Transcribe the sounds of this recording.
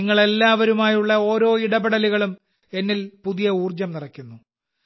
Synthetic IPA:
iŋːɐɭe̞lːaːʋɐɾumaːjuɭːɐo̞ːɾo̞ːiɽɐbeɽɐliɣɐɭum | e̞nːilpuðijɐuːrd͡ʑɐmnirɐkʲːunːu

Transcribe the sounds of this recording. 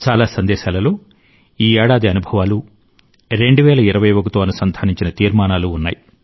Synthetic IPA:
t͡ʃaːlaːsɐnd̪ɛːʃaːlɐloː | iːɛːɽaːd̪iɐnubʱɐʋaːlu | ɾe̞ɳɖuʋɛːlɐiɾɐʋɐjʋokɐt̪oːɐnusɐnd̪ʱaːniɲt͡ʃinɐt̪iːɾmaːnaːluːnːa̰ːji

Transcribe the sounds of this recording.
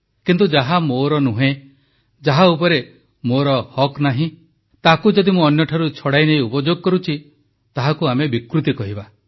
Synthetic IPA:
kint̪̬ud͡ʒaɦamoɾɔnuɦẽ | d͡ʒaɦaupɔɾe | moɾɔhɔknaɦĩ | t̪akud͡ʒɔd̪imũɔnjɔʈʰaɾut͡ʃʰɔɽajnej̃upɔd͡ʒoɡɔkɔɾut͡ʃʰi | t̪aɦakuamebikɾut̪̬ikɔɦiba

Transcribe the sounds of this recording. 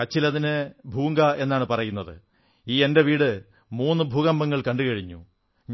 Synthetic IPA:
ɐt͡ɕːilɐðinɨbʱuːŋɡɐe̞nːaːɳɨpɐrɐjunːɐðɨ | iːe̞nde̞ʋiːɽɨ | muːnːɨbʱuːɣɐmbɐŋːɐɭkɐɳɖɨɣɐɻiɲːṵ | ɲ

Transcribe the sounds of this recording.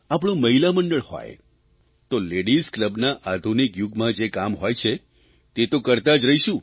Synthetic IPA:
ap̬ɳ̃ũməɦilaməɳɖəɭho̰j | t̪oleɽiskləbnaʔad̪ʱunikjuɡmãd͡ʒekamɦojt͡ʃʰe | t̪et̪okəɾt̪ad͡ʒɾəɦiʃũ

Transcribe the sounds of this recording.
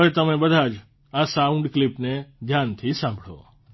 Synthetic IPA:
ʋet̪əmẽbəd̪ʱad͡ʒ | asaʊ̃ɳɖklipneɡ̪ʱjant̪ʰisãmbʱɽo̰

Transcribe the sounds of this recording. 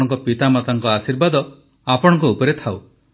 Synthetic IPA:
ɔŋkɔpit̪amat̪aŋkɔasiɾbad̪ɔ | apɔɽ̃ɔ̃ŋkɔupɔɾet̪ʰaw

